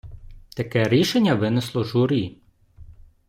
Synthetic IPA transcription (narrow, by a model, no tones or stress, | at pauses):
t̪ɐkɛɾʲiʃenʲːɐʋɪnɪslˠɔʒuɾʲi